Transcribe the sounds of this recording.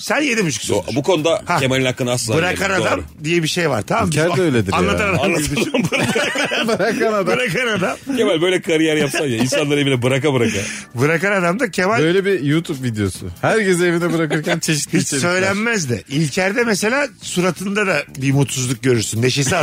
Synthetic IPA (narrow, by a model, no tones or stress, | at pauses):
sænje̞d̪imyt͡ʃʰu̥ksbukʰo̞nud̪ahaemelʲinhakːɯnaslbɯɾakʰanad̪am | d̪ijɛbiʃe̞jva̰ɾt̪ʰamambɾøjlʲed̪ianlːˠaaɾaanlˠaabɯɾbɾakaabɾakanad̪aɾakʰanamd̪amcʰemælʲbø̞jlʲɛkʰaɾijɛɾjapsajjainsanlˠaɾevinʲɛbɯɾakabɯɾakabɯɾakanad̪amd̪acʰemæløjlʲebijuːt̪ʰupvid̪ejosʊ̰hæɾcezevinɛbɯɾakɯɾcʰænt͡ʃʰe̞ʃ̬i̥t̪bit͡ʃsø̞jlʲænmæzd̪ɪilʲcʰæɾd̪ɛmese̞lʲaːsuɾat̪ʰɯnd̪ad̪abimut̪suzlˠuk̚ɟø̞ɾyɾsynd̪e̞ʃesia